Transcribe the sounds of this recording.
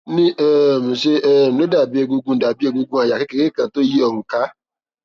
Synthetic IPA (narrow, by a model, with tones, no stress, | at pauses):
nĩ˦e˦˨m̩˨se˦e˦˨m̩˨no˦da˨bi˦e˦˧ɡu˦ɡu˦˨da˨bi˦e˦ɡu˦ɡũ˦a˨ja˨ke˦ke˨ɾe˦kã˨to˦ji˦ɔ˨ŋ̩˨ka˦